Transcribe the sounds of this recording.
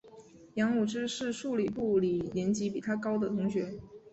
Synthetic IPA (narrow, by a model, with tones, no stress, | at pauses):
jɑ˧˥ŋu˨˩ʈ͡ʂɻ̩˥ʂɻ̩˥˧ʂu˥˩li˨˩pu˥˩li˨˩ljɛ˧˥nt͡ɕi˧˥pi˨˩t̪ʰa˥kɑ˥ʊd̪ə˨t̪ʰʊ˧˥ŋɕɥɛ˧˥